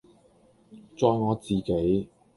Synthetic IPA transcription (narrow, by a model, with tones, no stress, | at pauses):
t͡sɔː˨˧jŋɔː˨˧t͡siː˨ke˨˥j